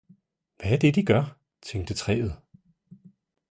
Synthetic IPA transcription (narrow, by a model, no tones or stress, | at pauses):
ʋææɐd̥e̝d̥iɡ̥ɶɐ | t͡sʰeŋ̰d̥ət͡sʰʁɛ̰ːð̞̩ˠ